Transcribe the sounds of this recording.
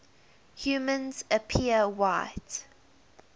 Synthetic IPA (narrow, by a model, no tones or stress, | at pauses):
hjuːmə̃nzəpʰiəwaɪt